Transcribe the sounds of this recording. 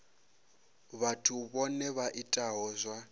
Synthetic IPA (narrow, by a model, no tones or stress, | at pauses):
βatʰuβɔnɛβaʔitʼaɦɔzʷwa